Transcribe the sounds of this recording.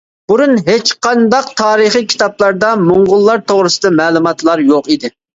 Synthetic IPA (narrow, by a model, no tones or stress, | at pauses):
b̥uɾunɦet͡ʃqʰɑnd̪ɑqt̪ʰɑːɾɨχikʲʰi̥t̪ɑplˠɑɾd̪ɑmoɴʁʊlˠːɑɾt̪ʰoʁɾɨsɨd̪ɑmɛːlˠumɑt̪lˠɑɾjoqid̪ɪ